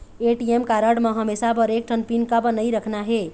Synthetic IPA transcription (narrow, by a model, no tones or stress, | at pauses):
eʈiemkaɾəɽmeɦəmesabəɾek̚ʈʰənpinkabnəjɾəkʰnaɦe